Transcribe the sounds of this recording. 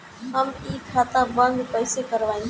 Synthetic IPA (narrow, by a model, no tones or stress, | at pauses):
ɦəmiːkʰːaːt̪abə̃nɡpəɪsekəɾʋaːĩŋ